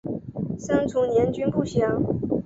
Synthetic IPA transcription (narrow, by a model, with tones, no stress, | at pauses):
sɤ˥ŋt͡sʰu˧˥njɛ˧˥nt͡ɕy˥npu˥˩ɕjɑ˧˥ŋ